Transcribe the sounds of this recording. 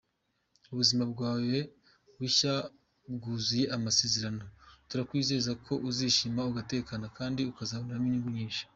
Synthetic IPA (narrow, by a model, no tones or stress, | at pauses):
uβuzimabɡwaːwe | wiʃa | bɡuːzuje̞ʔamase̞ːzeɾano̞tuɾakwiːze̞zakʰo̞ʔuziʃimauɡate̞ːkanakaːndiukazaβonaɾaniɲiŋɡuɲiːnʃi̥